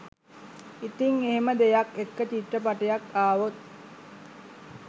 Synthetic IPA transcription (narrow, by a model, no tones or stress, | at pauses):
it̪iŋeɦeməd̪ejakekːət͡ʃiʈːəpaʈijakaːʋot̪̚